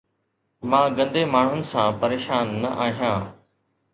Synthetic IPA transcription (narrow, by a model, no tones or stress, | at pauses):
mãːɡə̃nd̪eːmaːɳ̤ʊnɪ̆sãːpɐɾeːʃaːnːɐʔaːɦijãː